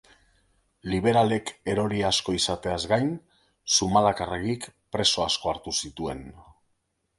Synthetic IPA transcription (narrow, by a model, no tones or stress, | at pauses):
liβ̞e̞ɾale̞ke̞ɾo̞ɾiasko̞isat̪e̞azɡajn | sumalakareɣikpɾe̞so̞asko̞aɾt̪usit̪ue̞n